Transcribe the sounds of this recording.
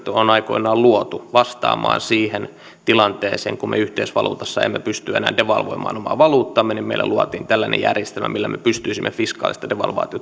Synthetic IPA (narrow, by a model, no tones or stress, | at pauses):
t̪onɑikoinɑːlluot̪uʋɑst̪ɑ̰ːmɑ̰ːnsiːhen | t̪ilɑnt̪eːsḛːŋkummeyht̪eisʋɑlṵːt̪ɑsːɑḛmːepyst̪yenæ̰ːndeʋɑlʋoimɑ̰ːnomɑ̰ːʋɑluːt̪ːɑmːenimmeilːæ̰luɑt̪iːnt̪ælːænḛjærjest̪elmæ̰milːæmepyst̪yisimːefiskɑːlist̪ɑdeʋɑ̰lʋɑ̰ːt̪iot̪